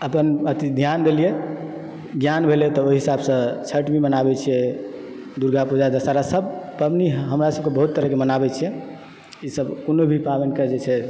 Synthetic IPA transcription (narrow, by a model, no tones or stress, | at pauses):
əpənət̪id̪ʱjand̪elije | ɡjanbʱelɛt̪ɔoɦiɦisabsə̃t͡ʃʰəʈmimənabɛt͡ʃʰijɛ | d̪uɾɡapud͡ʒad̪əsaɾasəbpəbniɦɦəmɾasəb̚kebəɦut̪ːəɾəɦkemənabɛt͡ʃʰijɛ | isəbkonobʱipabənkəd͡ʒet͡ʃʰɛ